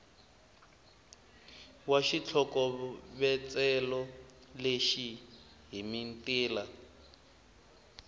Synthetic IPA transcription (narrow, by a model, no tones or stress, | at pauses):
waʃit͡ɬʰɔkɔβɛt͡sɛlɔ | leʃi | ɦimintiːla